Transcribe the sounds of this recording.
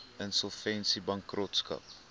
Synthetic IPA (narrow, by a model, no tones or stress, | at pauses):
ənsɔlˠfɛnsibɐŋkrɔtskɐ̰p̚